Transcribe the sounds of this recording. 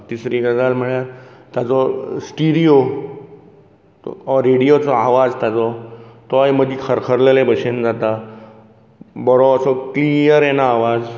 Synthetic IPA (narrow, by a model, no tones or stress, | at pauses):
t̪isɾiɡəd͡zalmiɭjaɾt̪jat͡sɔsʈiɾio | ɔɾeɽijot͡sɔaʋad͡zt̪jat͡sɔt̪ɔajməd̪ʱikʰəɾkʰəɾlelẽbəɕend͡zat̪a | bɔɾɔəsɔklijəɾjɛnaːʋad͡z